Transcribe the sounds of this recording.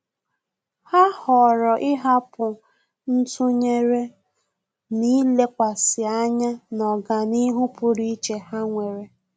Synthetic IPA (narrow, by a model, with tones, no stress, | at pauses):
ha˦hɔ˨ɾɔ˨ʔɪ˦ɦa˦pʊ˨ | n̩˦tʊ˦ɲe˦ɾe˦ | ni˦le˦kʷa˨sɪ˨a˦ɲa˦nɔ˨ɡa˨ni˦ɦʊ˦pʊ˦ɾi˦t͡ʃe˨ha˦ŋʷe˨ɾe˨